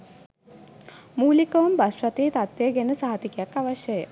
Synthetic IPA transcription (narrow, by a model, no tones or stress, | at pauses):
muːlikɐʋumbɐsɾɐt̪eːt̪ɐt̪ʋjeɡenɨsɐɦɐt̪ikjakːɐʋɐɕjɐjḛ